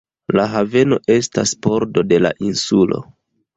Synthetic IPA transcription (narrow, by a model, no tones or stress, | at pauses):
laɦave̞no̞ʔe̞staspo̞ɾdo̞de̞la̰ʔinsulo̞̰